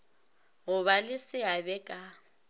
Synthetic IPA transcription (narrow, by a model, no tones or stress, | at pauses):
ɣʊβalɪsɪabɛkʼa